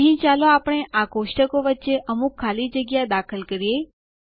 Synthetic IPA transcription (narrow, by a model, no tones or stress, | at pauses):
ɦĩt͡ʃaloapəɽ̃eʔakoʃʈəkoʋətːʃeʔəmukʰːalid͡ʒəɡjad̪akʰəlkəɾje